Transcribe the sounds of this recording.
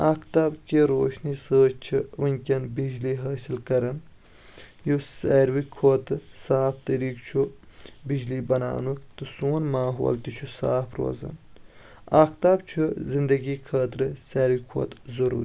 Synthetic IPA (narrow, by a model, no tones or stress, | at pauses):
aːkʰt̪aːbkiɾo̰ːʃniːsəːt͡ʃt͡ʃʰiʋɐnʲkʲɐnbid͡ʒliːɦɐːsilkɐɾɐn | juseːɾʋikʰoːt̪ɨsaːpt̪ɐɾiːkt͡ʃʰubid͡ʒliːbɐna̰ːnukt̪ɨsuːnmaːɦo̰ːlt̪it͡ʃʰusa̰ːpʰɾo̰ːzɐ̰n | aːkt̪aːbt͡ʃʰuzind̪ɐɡiːkʰaːt̪ɾɨseːɾʋikʰo̰ːt̪zɐɾṵːɾi